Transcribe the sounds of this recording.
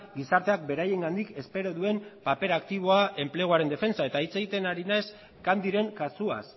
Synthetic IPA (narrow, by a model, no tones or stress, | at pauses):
ɡisaɾt̪e̞ak̚be̞ɾaje̞ŋɡand̪ike̞spe̞ɾo̞ðue̞mpape̞ɾakt̪iβ̞o̞ae̞mple̞ɣ̞oaɾe̞nd̪e̞fe̞nt͡sae̞t̪ait͡se̞ɣit̪e̞naɾinajs | kand̪iɾe̞ŋkasua̰s